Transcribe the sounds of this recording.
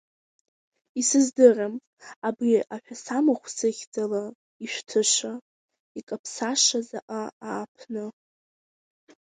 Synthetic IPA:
isɨzdɨram | abriʔaħʷᶣasamaχʷsɨχʲd͡zala | iʃʷᶣtʰɨʂʷa | ikʼapʰsaʂazaʔaaːpʰnɨ

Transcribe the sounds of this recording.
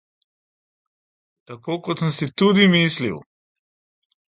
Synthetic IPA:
t̪akoːkɔt̪səmsit̪ud̪imislḭw

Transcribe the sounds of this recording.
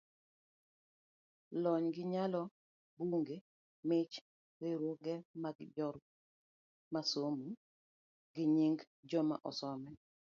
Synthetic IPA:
lɔɲɡɪɲalɔ | buŋɡe | mɪt͡ʃ | ɾɪɾwoɡɛmaɡd͡ʒɔɾ | masomu | ɡɪɲiŋɡ | d͡ʒɔma̰ʔɔ̰sɔmɛ

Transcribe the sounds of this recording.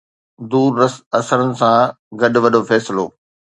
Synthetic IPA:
d̪uːɾɐɐsəɾənɪ̆sã | ɡɐɗʊʋɐɗofɛːsɪlo̰ː

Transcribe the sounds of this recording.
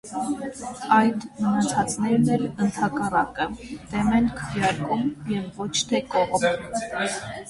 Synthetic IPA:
ɑjd̪mənɑt͡sʰɑt͡snɛɾnɛlənt̪ʰɑkɑrɑkət̪ɛmɛnkʰəvjɑɾkumjɛvːɔt͡ʃʰt̪ʰɛkɔʁ

